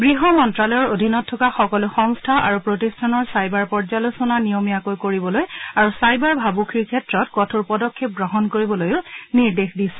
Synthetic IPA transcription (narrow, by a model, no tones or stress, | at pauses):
ɡɹiɦɔmɔntɹalɔjɔɹodʱinɔtʰːɔkaxɔkɔlʊxɔŋstʰaʔa̰ɹupɹotistʰanɔɹsajbaɹpɔɹzalosɔnanijomijakojkoɹibɔlojaɹusajbaɹbʱabukʰiɹkʰɛtɹɔtkɔtʰuɹpɔdɔkʰːep̚ɡɹɔɦɔnkoɹibɔlojʊniɹdexdisɛ